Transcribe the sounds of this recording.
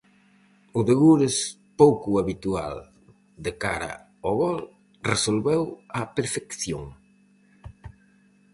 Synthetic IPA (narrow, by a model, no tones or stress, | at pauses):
ʊðeɣuɾes | powkʊaβit̪ua̰l | d̪eka̰ɾa̰ | oɣɔl | resolβɛwapeɾfekθjoŋ